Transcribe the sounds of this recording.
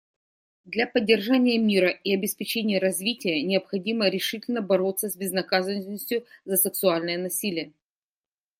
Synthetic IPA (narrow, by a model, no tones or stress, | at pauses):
d̪lʲapədʲːɪrʐanʲɪjəmʲiɾəiɐbʲɪspʲɪt͡ɕenʲɪjəɾɐzʲvʲitʲɪjənʲɪɐpxɐdʲiməɾʲɪʂɨtʲɪlʲnəbɐɾo̞t̪səsʲbʲɪznɐkazənnːəsʲtʲjʊzəsʲɨksʊalʲnɨjənɐsʲilʲɪjə